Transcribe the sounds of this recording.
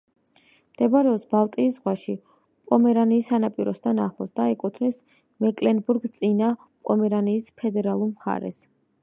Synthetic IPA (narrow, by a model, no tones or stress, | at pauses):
md̪̥ɛbaɾɛɔsbalˠt̪ʼiːszʁwaʃi | pʼɔmɛɾaniːsanapʼiɾɔst̪ʰana̰χlˠɔ̰sd̪aɛkʼut̪ʰvnis | mɛkʼlɛnbuɾɡt̪sʼina | pʼɔmɛɾaniːspʰɛd̪ɛɾalˠuɾmχa̰ɾɛ̰s